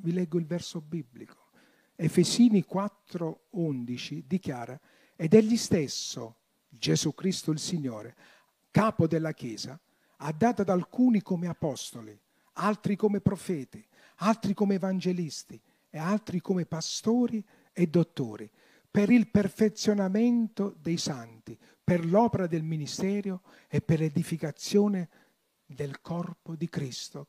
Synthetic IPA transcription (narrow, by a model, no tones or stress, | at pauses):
vilɛɡːʊilvɛrsobibːlikʰo̥ | ɛfɛsiːnikwat̪ːɾound̪it͡ʃid̪ikjaːɾa | ed̪ɛʎːist̪esːo | d͡ʒezukɾist̪ʊilsiɲːoːɾe | kaːpod̪elːak̟jɛːza | ad̪ːaːt̪ad̪alkuːnikomeapɔst̪oli | alt̪ɾikomepɾɔfɛːt̪i | alt̪ɾikomeːvand͡ʒelist̪i | ealt̪ɾikomepast̪oːɾi | ed̪ːot̪ːo̰ːɾḭ | peɾilperfet̪sːjonamɛnt̪od̪ejsant̪i | perlɔːpeɾad̪elminist̪ɛːɾjo | epːerlɛd̪ifikat̪sːjoːnɪ | d̪elkʰɔrpod̪ikɾist̪o